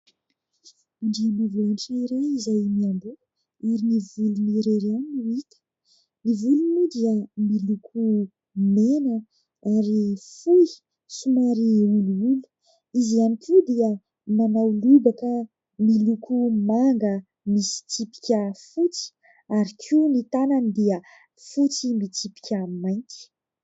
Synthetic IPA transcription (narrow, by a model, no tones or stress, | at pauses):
uɳɖ͡ʐimivaɳʈ͡ʂaiɾajizajmiambu | iɾinivuluniɾeɾanuit̪ə̥ | nivulunud̪iəmilukʰu | menə | aɾifuj | sumaɾiuluulu̥ | izianikʰud̪iə | manawlubaka | milukʰumaŋɡə | misi̥t͡sipi̥kʲəfut͡si̥ | aɾikʰinit̪ananid̪iə | fut͡simit͡sipi̥kʲəmajŋkʲi̥